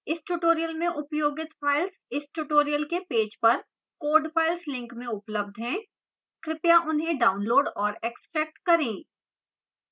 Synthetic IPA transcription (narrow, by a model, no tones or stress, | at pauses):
ɪsʈuʈoːɾijəlmẽʔʊpjoːɡɪt̪fʰaːɪlsɪsʈuʈoːɾijəlkepeːd͡ʒpɐɾ | koːɾɖpʰaːɪlslɪ̃ŋkmẽʊpləb̚d̪ʱɦɛ̃ː | kɾɪpjaʔʊnɦẽɖaːʊnloːɖɔːɾeːksʈɾɛːk̚ʈkɐɾẽː